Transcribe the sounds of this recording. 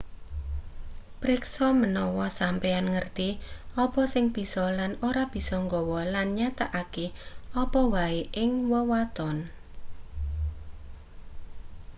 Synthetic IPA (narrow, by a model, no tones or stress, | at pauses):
pɾɪksɔmənɔwɔsampeanŋərt̪iɔpɔsɪŋb̥i̤sɔlanoɾab̥i̤sɔŋɡɔwɔlanɲat̪aʔakeɔpɔwaeʔɪŋwɔwat̪ɔn